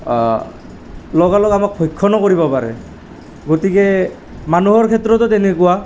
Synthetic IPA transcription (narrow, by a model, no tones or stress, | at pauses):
lɔɡalɔkamak̚pʰɔjkʰːɔnɔkoɹibɔpaɹɛ̰ | ɡotikɛ | manuɦɔɹkʰɛtɹɔtɔtenekuwa